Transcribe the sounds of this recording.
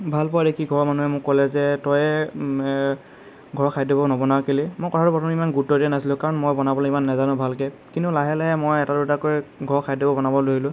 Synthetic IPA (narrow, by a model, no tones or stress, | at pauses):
bʱalpɔadekʰiɡʱɔɹmanuɦɛmʊkːɔlɛzɛtɔjɛ | ɡʱɔɹkʰajdibɔnɔbɔnakelimojkɔtʰatʊpɹɔtʰɔmimanɡutːɔdiɛnasilʊ̃kaɹɔnmojbɔnabɔlɔimanːɛzanʊ̃bʱalkɛ | kintʊlaɦɛlaɦɛmojɛtalutakojɡʱɔɹkʰajdibɔbɔnabɔloɦilʊ̃